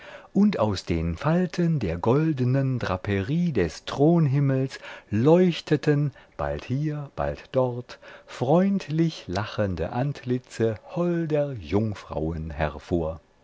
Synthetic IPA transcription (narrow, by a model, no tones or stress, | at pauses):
ʔʊntaʊsd̥eːnfaltʰəndeːɐɡɔldənəndʁapʰəʁiːdɛstʁ̥oːnɦɪml̩slɔʏçtʰətʰənb̥a̰lthiːɐb̥a̰ltd̥ɔʁtfʁ̥ɔʏntʰlɪçlaχəndə̰ʔantʰlɪt͡səhɔldeɐjʊŋfʁ̥a̰ʊənɦɛ̰ʁfoːɐ